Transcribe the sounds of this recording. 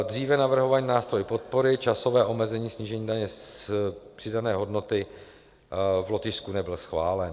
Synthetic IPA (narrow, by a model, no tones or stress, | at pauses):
d̪r̝iːvɛnavr̩ɦo̞vaɲiːnaːst̪ɾo̞jpo̞t̪̚po̞ɾɪt͡ʃaso̞vɛːʔo̞mɛzɛɲiːsɲiːʒɛɲiːdaɲɛ | pr̥ɪdanɛːɦo̞dno̞t̪ɪ | vlot̪ɪskunɛbɪlsxvaːlɛn